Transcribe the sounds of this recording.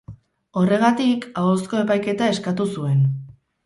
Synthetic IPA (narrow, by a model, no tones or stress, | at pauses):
o̞re̞ɣ̞at̪ikaosko̞e̞pajke̞t̪ae̞skat̪usue̞n